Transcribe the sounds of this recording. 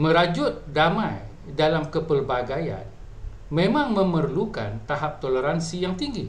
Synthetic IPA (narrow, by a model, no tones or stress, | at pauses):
məɾad͡ʒʊt̪̚damaj | dalamkəpərbaɡaja̰n | mẽmãŋməmərluka̰nt̪aɦap̚t̪oləɾansijaŋt̪iŋɡi